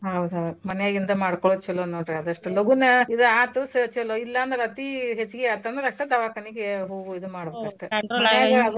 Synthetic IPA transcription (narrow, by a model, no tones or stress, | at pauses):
ɦɐwd̪uɦɐwd̪umɐnjaːɡind̪ɐmaːɽkɔɭot͡ʃɛlonoːɖɾeɐd̪ɐʂʈuloɡunɐid̪uaːt̪usɐt͡ʃɛloilːɐːnd̪ɾɐlɐt̪iɦet͡ʃːuɡeɐt̪ːɐnd̪ɾɐkʈ̪ɐd̪ɐʋaːkɐniɡeɦoːɡuid̪umaːɽbekɐʂʈemɐnaːɡɐɐd̪